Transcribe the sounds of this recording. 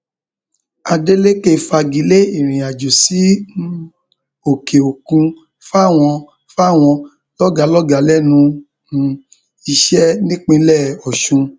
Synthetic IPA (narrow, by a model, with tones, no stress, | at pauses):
a˧de˦le˦ke˦˨fa˧ɡi˨˦le˦i˦˨ɾ̃ĩ˨a˨d͡ʒo˨si˨˦ | o˨ke˨o˨kũ˧ | fa˦˨w̃ɔ̃˧ | fa˦˨w̃ɔ̃˧ | lɔ˦ɡa˨˦lɔ˦ɡa˨˦lɛ˦˨nũ˧ | i˧ʃɛ˦nĩ˦k͡pĩ˧lɛ˦˨ɔ˨ʃũ˧